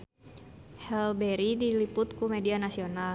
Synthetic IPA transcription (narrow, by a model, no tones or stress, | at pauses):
hɛlbɛɾidilipʊt̪kumɛdianasional